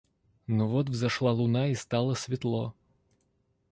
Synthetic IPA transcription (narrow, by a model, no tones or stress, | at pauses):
novot̪vzɐʂlˠalˠʊnaist̪ɑlˠəsvʲɪt̪lˠo